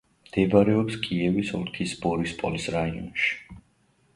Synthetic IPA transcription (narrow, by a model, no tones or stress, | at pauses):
md̪̥ɛbaɾɛɔpskʼiɛvisɔ̰lkʰisbɔɾispʼɔlisɾaiɔ̰nʃi̥